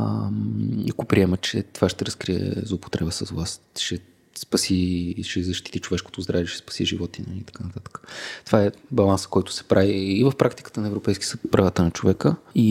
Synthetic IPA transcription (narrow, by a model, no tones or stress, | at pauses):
iɐkopɾiɛmət͡ʃɛt̪ovaʃt̪ɛɾəskɾiɛ̰zlˠoːpo̥t̪ɾɛbəsəzvlˠas | ʃɛ | spɐsiʃɛzɐʃt̪i̥t̪it͡ʃovɛʃkot̪ozd̪ɾaviɛʃɛ̥spɐ̥siʒivɔt̪inɐ̰it̪ɐ̥kanət̪at̪ə̥kə̥t̪ovaɛbɐlˠansə̥kɔjt̪ʊ̥sɛ̥pɾʔaviːvəfpɾʔakt̪i̥kə̥t̪ənɐɛvɾopɛjskʲiəsət̪̚pɾɐvat̪ənɐt͡ʃovɛkəi